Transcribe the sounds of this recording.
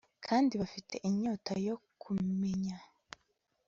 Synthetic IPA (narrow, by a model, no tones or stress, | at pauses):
kʰaːndiβafitʰe̞̰ʔiɲoːtajo̞kʰume̞ɲa